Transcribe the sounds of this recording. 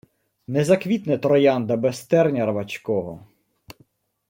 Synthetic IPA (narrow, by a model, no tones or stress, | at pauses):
nɛzɐkʋʲit̪nɪt̪ɾɔjɑnd̪ɐbɛst̪ɛrnʲɐrʋɐt͡ʃkɔɦɔ̰